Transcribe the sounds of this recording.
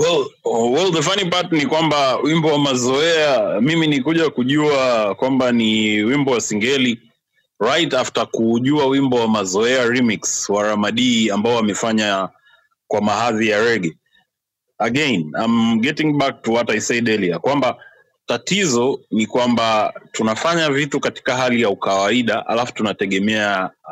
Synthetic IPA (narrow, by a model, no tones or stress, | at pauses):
wɛlwɛlðəfanipatnikwambawimbɔwamazɔɛamiminikuʄakuʄuakwambaniwimbɔwasiŋɡɛli | ɹajtaftakuʄuawimbɔwamazɔɛaɾimikswaɾamaɗiːambaɔamɛfaɲa | kwamaɦaðijaɾɛɡɛ | aɡɛnamɡɛtiŋbak̚tuwataisaɗɛliakwamba | tatizɔnikwambatunafaɲavitukati̥kaɦalijaukawaiɗaʔa̰lafu̥tunatɛɠɛmɛa